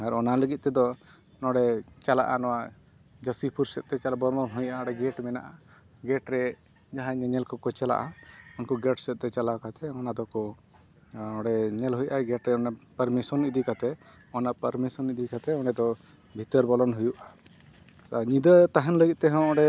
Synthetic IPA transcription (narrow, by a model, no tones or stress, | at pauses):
aɾɔnaləɡit̪̚ˀt̪ɛd̪ɔ | nɔɽɛt͡ʃala̰ʔanɔwa | d͡ʒəsipʰuɾsɛt̪̚ˀt̪ɛt͡ʃalabɔɾmɔnɦujʔaɔɽɛɡɛʈmɛna̰ʔa | ɡɛʈɾɛ | d͡ʒaɦãɲɛɲɛlkɔkɔt͡ʃala̰ʔaunkɔɡɛʈsɛt̪̚ˀt̪ɛt͡ʃalakat̪ɛɔnad̪ɔkɔ | nɔ̃ɽɛɲɛlɦujʔaɡɛʈɾɛɔnapəɾmisɔnid̪ikat̪ɛ | ɔnapəɾmisɔnid̪ikat̪ɛɔnɛd̪ɔ | bʱit̪əɾbɔlɔnɦujuʔa | saɲid̪ət̪aɦɛnləɡit̪̚t̪ɛɦɔ̃ɔɽɛ